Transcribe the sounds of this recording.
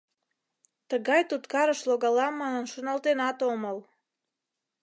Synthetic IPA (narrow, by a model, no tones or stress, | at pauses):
t̪əɡɑjt̪ut̪kɑɾəʃlˠoɡɑlɑmːɑnənʃunɑlt̪enɑt̪oməl